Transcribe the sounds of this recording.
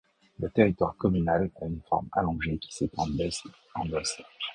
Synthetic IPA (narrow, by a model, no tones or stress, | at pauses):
lət̪eʁit̪waʁkɔmynalaynfɔ̰ʁma̰lɔ̃ʒekʲi̥set̪ʰɑ̰̃bɛs | ɑ̃ɡɔsa